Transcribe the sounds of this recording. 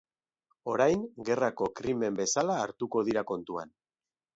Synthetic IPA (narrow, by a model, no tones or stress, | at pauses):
o̞ɾajŋɡe̞rako̞kɾime̞mbe̞salaːɾt̪uko̞ðiɾako̞nt̪ua̰n